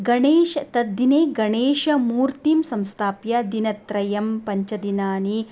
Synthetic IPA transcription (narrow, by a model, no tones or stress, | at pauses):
ɡɐɳeːʃɐt̪ɐd̪ineːɡɐɳeːʃɐmuːɾt̪iːmsɐmst̪ʰaːpjɐd̪inɐt̪ɾɐjɐmpɐɲt͡ʃɐd̪inaːni